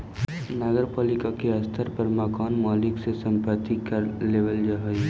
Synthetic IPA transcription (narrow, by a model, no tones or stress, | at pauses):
naɡəɾpaːlɪkakeɐst̪ʰəɾpəɾmakaːnmaːlɪksesə̃mpət̪ikəɾleːʋəld͡ʒaɦəj